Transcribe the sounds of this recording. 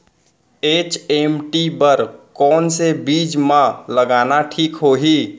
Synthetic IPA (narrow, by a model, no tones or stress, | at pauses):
eːt͡ʃemʈibəɾkɔːnsebiːd͡ʒmãləɡaːnaʈʰiːkɦoɦi